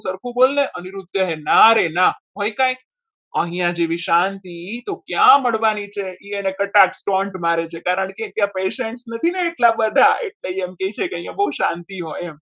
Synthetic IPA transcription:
səɾkʰũbolneʔəniɾud̪ʱjəɦenaɾenaɦojkãjk | əɦijãd͡ʒeʋiʃant̪it̪okjãməɭʋanit͡ʃʰeienekəʈaksʈɔɳʈmaɾet͡ʃʰekaɾəɳ̃ket̪jãpeʃeɳʈsnət̪ʰineːʈlabəd̪ʱaḛʈleiemkejt͡ʃʰekeəɦijãbəɦuʃãnt̪iɦoem

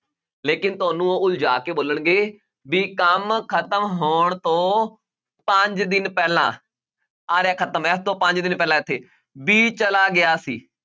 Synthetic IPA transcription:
leːkɪnt̪ʊaːnũːoːʊld͡ʒaːkeːboːləɳɡeː | biːkəmkʰət̪əmɦoːɳt̪õː | pəɲd͡ʒd̪ɪnpɛːlã̰ː | aːɾeaːkʰət̪əmɛːst̪õːpə̃ɲd͡ʒd̪ɪnpɛːlãːɪt̪ʰːeː | biːt͡ʃəlaːɡɪaːsḭː

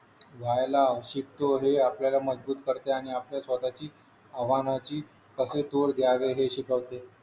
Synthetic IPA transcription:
ʋʱajlaɕik̚t̪oɦeapljalaməd͡zbuːt̪kəɾt̪eaɽ̃iapljasʋət̪at͡ɕiː | əʋanat͡ɕiː | kəset̪oɽd̪ʱjaʋeɦeɕikəʋt̪e

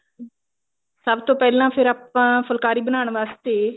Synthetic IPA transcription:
səbt̪õːpɛːlãːpʰɪɾaːpãːfəlkaːɾiːbənaːɳ̃ʋaːst̪eː

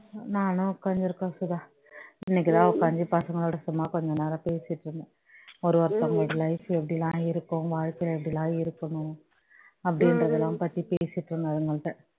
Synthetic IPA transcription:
naːnʊ̃kɐɲd͡ʒɪɾɯkːãsʊðaː | ɪnːɛk̬ːɪt̪ãːkɐɲd͡ʒɯpɐsɐŋɡɐɭoːɽɐsʊmːaːkɔɲd͡ʒɔ̃neːlaːpeːsɪʈːɾɯŋɡɛ̃ | ɔɾɯʋɐɾt̪ːɐ̃ŋeːɽilɐɪfɛp̬ːɐɽɪlãːɪɾɯkːʊ̃ʋaːɻkɐɪlɛp̬ːɐɽɪlãːɪɾɯkːɐɳʊ̃ | ɐpːɐɽɪnɾɐðɛlːãːpɐt̪ːipeːsɪʈːɾɯŋɡɐðɯŋɡɐɭʈːɐ

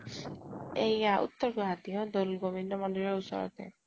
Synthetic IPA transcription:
ejaʔṵt̪ːɔɾɡɔɦat̪ijɔd̪olɡobʱinːɔmɔndɔlɔɾusɔ̰ɾɔ̰t̪ḛ

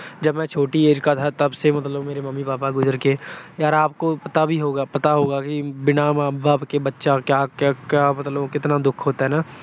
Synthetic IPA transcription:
d͡ʒɐbmɛ̃ːt͡ʃʰoːʈieːd͡ʒkat̪ʰat̪ɐbsemɐt̪ləbmeːɾemɐmːipaːpaɡʊzəɾkejaːɾaːp̚kopɐt̪abʱiɦoːɡapɐt̪aɦoːɡakibɪnamaːbaːbkebɐtːʃakjaːkakjaːmɐt̪ləbkɪt̪nad̪ʊkʰɦoːt̪aɦɛːnaː

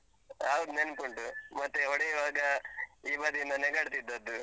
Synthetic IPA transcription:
ɦawd̪unenpuɳʈumɐt̪ːeɦɔɽeiʋaːɡɐiːbɐd̪ind̪ɐnɛɡaːɽt̪id̪ːɐd̪ːu

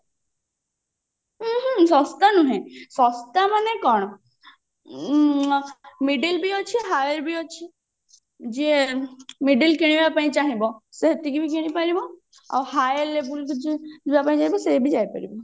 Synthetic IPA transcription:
ɦsɔst̪anũɦẽsɔst̪amanẽkɔɳ̃ɔ | miɖəlbiot͡ʃʰiɦaːjəɾbʱiot͡ʃʰi | d͡ʒiemiɖəlkiɽ̃ibapaĩt͡ʃaːɦibɔseɦɐt̪ikibʱikiɽ̃ipəɾibo | ɔ̰ːhajlebulbapaːĩt͡ʃaɦĩbosebʱid͡ʒaːipə̰ɾḭbo

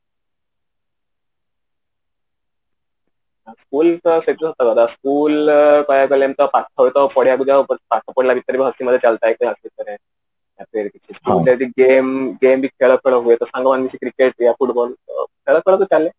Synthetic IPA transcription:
askuːltəsəʈ̪ːat̪əɡad̪askuːlkəjakəlemt̪əpaʈʰːaɦujet̪əpəɽjakud̪apaʈ̪ʰːapəɽlabit̪əɾibɦət̪iməd̪ʱːjet͡salt̪ajkəasit̪̚əna | japeɾkit͡ɕʰikiud̪jad͡ʑiɡemɡembʱiːkʰeɭəkʰeɭəɦuet̪əsãŋɡəmanmit͡ɕʰiːkɾikeʈ̚jafuʈbɔl̰kʰeɭəkʰeɭəkut͡ɕalːe

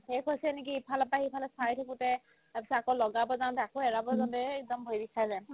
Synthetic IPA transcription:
hekʰojsɛnekiːpʰalɔpaɦipʰalɔsajtʰakutɛ | api̥sɔakɔlɔɡabɔzaw̃tɛakoɛɹabɔzantɛːk̚dɔmbʱojbisajzaj

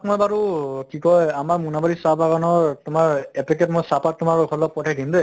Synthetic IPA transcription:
tmɔjbaɹukikɔjamaɹmunabaɹisapaɡanɔɹtʊmaɹɛpikɛtmɔjsapat̚ːʊmaɹɡʰʱɔlɔpɔtʰɛk̚dimdɛ

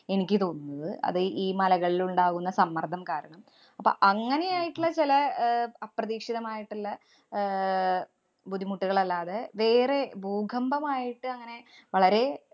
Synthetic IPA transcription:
e̞nikʲːɨt̪o̞ːnuːɐðɨʔɐ̰ðɨʔiːmɐlɐɣɐɭiluɳɖaːɣunːɐsɐmːɐrd̪ʱɐmkaːɾɐɳɐm | ɐpːo̰ʔɐŋːɐne̞jaːjiʈːuɭːɐt͡ɕilɐɐprɐðiːkʂiðɐmaːjiʈːulːɐ | bud̪ʱːimuʈːiɣɐɭɐlːaːðeʋe̞ːre̞bʱuːɡʱɐmbɐmaːjiʈːɨɐŋːɐne̞ | ʋɐɭɐɾe̞

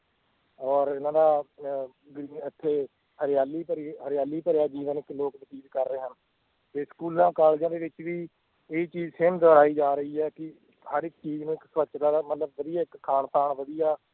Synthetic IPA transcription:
ɔːɾɪnãːd̪aː | ɡɾiːnɪt̪ʰːeː | həɾɪjaːliːpəɾɦəɾɪjaːliːpəɾjaːd͡ʒiːʋənɪkloːknəsiːd̪kəɾːəeːɦən | t̪eːskuːlãːkaːld͡ʒãːd̪eːʋɪt͡ʃʋiː | eːit͡ʃiːd͡ʒsɪmd̪ɔːɽaːiːd͡ʒaːɾəiːɛːkɪ | həɾɪk̚t͡ʃiːznũːɪksʋət͡ʃt̪aːd̪aːmət̪ləbːəd̪ijaːɪkkʰːaːɳpʰaːɳʋəd̪ijaː

